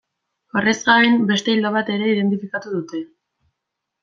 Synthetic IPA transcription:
orezɡaembe̞st̪e̞ild̪aβ̞at̪e̞ɾe̞iðe̞nt̪ifikat̪uðut̪e̞

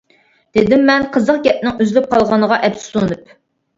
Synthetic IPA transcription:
d̪̥ed̪ɪmːɛnqʰəzəq̚ɡʲɛt̪̚nɪŋyzlyp̚qʰɑlˠʁɑnəʁɑʔɛpssunɨp̚

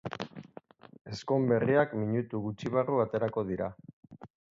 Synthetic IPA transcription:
e̞sko̞mbe̞riakmiɲut̪uɣut͡ʃiβ̞aruat̪e̞ɾako̞ðiɾa

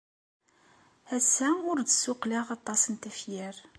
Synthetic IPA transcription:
æsːæʊɾd̪əsːʊqliʁɑt̪ˤːɑsənt̪æfjæɾ

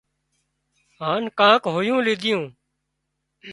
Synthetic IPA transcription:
ɦaːnkãːkɦoːjũːlɪːd̪ʱɪjũː

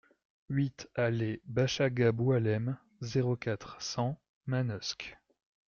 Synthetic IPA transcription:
ɥit̪alebaʃaɡabwalɛm | zeʁokat̪χsɑ̃ | manɔsk

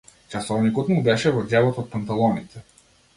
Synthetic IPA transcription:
t͡ʃasɔvnikɔt̪mubɛʃɛvɔd̪ɛlˠɔt̪ɔt̪̚pant̪alˠɔnit̪ɛ

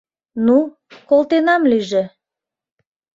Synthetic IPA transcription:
nu | kolt̪enɑmlyʒĕ

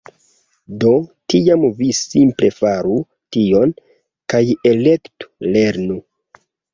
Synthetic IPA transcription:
do̞tiamvisimple̞faɾu | tio̞n | kaje̞le̞ktu̥le̞ɾnu

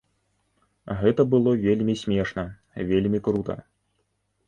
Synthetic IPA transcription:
ɣɛt̪ɐbɨlˠɔvʲelʲmʲisʲmʲɛʂnɐ | vʲelʲmʲikɾut̪ɐ̰

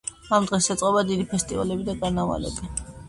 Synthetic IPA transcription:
amd̪ʁɛsɛt̪sʼqʼɔbad̪id̪ipʰɛst̪ʼiva̰lɛbid̪aɡanava̰lɛ̰bi

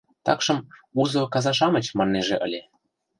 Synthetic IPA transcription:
t̪ɑ̰kʃɤ̆muzokɑzɑʃ̬ɑmə̆t͡ɕmɑnːeʒeʔə̰lʲe

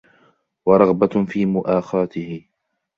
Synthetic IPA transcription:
wɑɾˤɑɣbafiːmʊʔaːxɑːt̪ɪhɪ

